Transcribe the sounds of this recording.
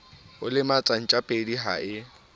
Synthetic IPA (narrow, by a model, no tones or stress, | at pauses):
ʊlɪmat͡sʼan̩t͡ʃʼapʼediɦa̰ʔɪ